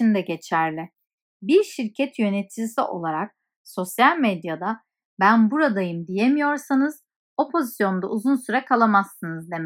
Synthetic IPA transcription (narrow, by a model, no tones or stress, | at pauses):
ind̪ɛɟe̞t͡ʃʰæɾlʲɪ | biɾʃiɾcʰɛt̪ʰjø̞net̪ʰid͡ʒisiʔo̞̰lˠaɾak̚ | so̞sjalʲmed̪jad̪a | bænbuɾad̪ajɯmd̪ijemijo̞ɾsanɯz̥ | o̞pʰo̞zisjo̞nd̪auzunsyɾɛkʰalˠamasːɯnɯzd̪em